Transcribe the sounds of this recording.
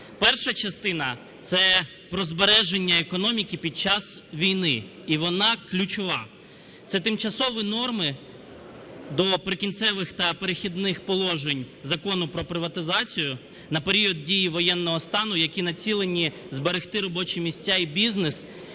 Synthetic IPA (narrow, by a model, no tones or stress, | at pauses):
pɛrʃɐt͡ʃɐst̪ɪnɐ | t̪sɛ | pɾɔzbeɾɛʒe̞nʲːɐekɔnɔmʲikʲipʲid̪̚t͡ʃɑsʋʲijnɪ | iʋɔnɑklʲʊt͡ʃʊʋɑ | t̪sɛt̪ɪmt͡ʃɐsɔʋinɔrmɪ | d̪ɔpɾɪkʲint̪sɛʋɪxt̪ɐpeɾexʲid̪nɪxpɔlˠɔʒenʲ | zɐkɔnʊpɾɔpɾɪʋɐt̪ɪzɑt͡sʲijʊ | nɐpeɾʲiɔd̪̚dʲijiʋɔjɛnːɔɦɔst̪ɑnʊjɐkʲinɐt͡sʲilˠenʲi | zbeɾext̪ɪɾɔbɔt͡ʃimʲisʲt͡sʲːaibʲiznes